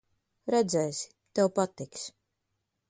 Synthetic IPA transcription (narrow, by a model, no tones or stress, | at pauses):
ɾɛd̪zɛːjsi̥ | t̪ɛwpat̪iks